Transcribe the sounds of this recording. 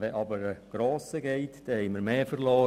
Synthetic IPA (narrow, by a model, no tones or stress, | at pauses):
ʋɛʔɑbəɾəɡ̥ɾɔːsəɡɛɪtd̥ɛhɛɪməɾmeːfəɾlɔː